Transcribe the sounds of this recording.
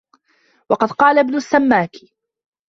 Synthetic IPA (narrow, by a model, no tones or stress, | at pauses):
wɑqɑd̪qɑːlabnʊsːamːaːkɪ